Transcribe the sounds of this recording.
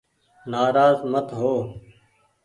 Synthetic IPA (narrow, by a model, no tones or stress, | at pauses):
naːɾaːzmət̪ɦoː